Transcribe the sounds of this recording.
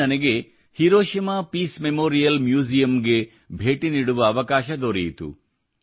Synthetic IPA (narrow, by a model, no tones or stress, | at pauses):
ɐnɐɡe̞ | hiɾoːʃimaːpiːsmemoːɾijɐlmjuːd͡ʒijɐmɡe̞ | bʱe̞ːʈiniːɽuʋɐːʋɐkaːʃɐd̪oːɾijit̪ṵ